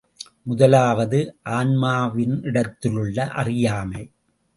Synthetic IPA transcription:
mʊðɐlaːʋɐðɯʔaːnmaːʋɪnɪɽɐt̪ːɪlɯɭːɐʔɐ̰rɪjaːmɐɪ

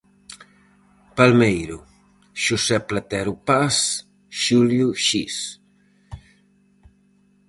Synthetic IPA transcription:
palmejɾu | ʃusɛplat̪ɛɾupas | ʃuljuʃis

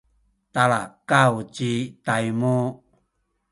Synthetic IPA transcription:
talakawt͡ʃitajmu

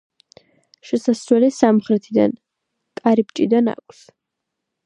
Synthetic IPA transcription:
ʃɛsaswɛlisamχɾɛt̪ʰid̪a̰n | kʼaɾibt͡ʃʼid̪ana̰kʷʼʰs

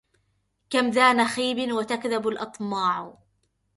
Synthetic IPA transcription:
kamðaːnaxiːbɪnwat̪akðabalʔɑt̪ˤmɑːʕ

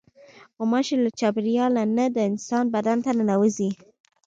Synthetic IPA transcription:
womɑʃelat͡ʃɑbɾijɑlanad̪əɪnsɑnbad̪ant̪ananawəzi

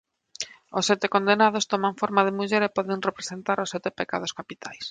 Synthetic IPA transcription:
osːɛt̪ekond̪enað̞ost̪omãɱfoɾmaðemuʎeɾepɔðenrepɾesent̪aɾʊsːɛt̪epeka̰ðoskapit̪ʰajs

